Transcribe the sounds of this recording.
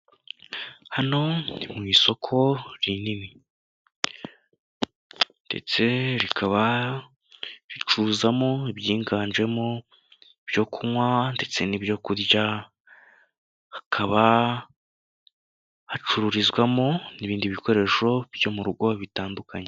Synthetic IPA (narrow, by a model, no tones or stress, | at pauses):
hano̞nimŋiːso̞kʰo̞ɾinimi | nde̞̰t͡se̞ɾikʰaβa | ɾit͡ʃuːzamo̞iβjiːŋɡaːɲʒe̞mo | ibjo̞kʰumwande̞t͡se̞nibjo̞kuɾɟa | hakʰaβa | hat͡ʃuɾuɾizɡwamo̞niβiːndiβiko̞ɾe̞ʃo̞bjo̞muɾuɡo̞βitaːndukʰaɲe